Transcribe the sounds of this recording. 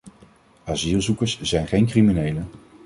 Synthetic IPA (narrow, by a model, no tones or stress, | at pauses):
azilˠzukəɹsz̥ɛjnχejnkriminejlə